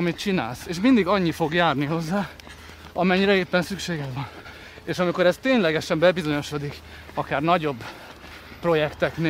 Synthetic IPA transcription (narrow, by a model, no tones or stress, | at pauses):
mit̪t͡ʃina̰ːlseːʃmind̪iɡɒɲːifo̞ɡjaːrniɦo̞zːaː | ɒmɛɲːiɾɛeːpːɛnsykʃeːɡɛkʋɒn | eːʃɒmiko̞ɾɛst̪eːɲlɛɡɛʃɛmbɛbizo̞ɲo̞ʃo̞d̪ik | ɒkaːrnɒɟo̞bː | pro̞jɛkt̪ɛkne